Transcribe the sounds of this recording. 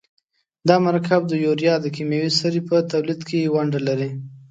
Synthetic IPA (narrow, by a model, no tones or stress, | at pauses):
d̪ɑmaɾɑkʰab̚d̪əjoɾjɑd̪əkimjawisaɾipət̪awlid̪kʰejewaɳɖalaɾi